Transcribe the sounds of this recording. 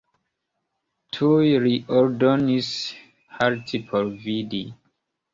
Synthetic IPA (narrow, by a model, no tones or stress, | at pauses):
tʰujɹiʔɔɹdɔnis | haɹtʰipʰɔlvidi